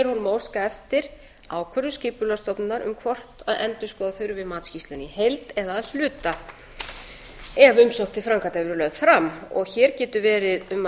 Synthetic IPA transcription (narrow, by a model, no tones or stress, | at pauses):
ɾ̥hɔnmowskaɛft̪ɪɾ̥ | aːwkʰvœɾʏscɪːpʏlast̪ɔpnaɾʏ̰mkʰvɔr̥t̪aðɛnt̪ʏskɔːðaθʏɥɾʏvɪðmaːt̪scist̪lʏnihejlt̪ɛðaːðl̥ʏːt̪a | ɛvʏmsɔwkt̪ɪfɾaŋkat̪avʏɾʏlœðfɾamːɔ̰ɣçɛːɾcɛːt̪ʏvɛːɾɪðʏma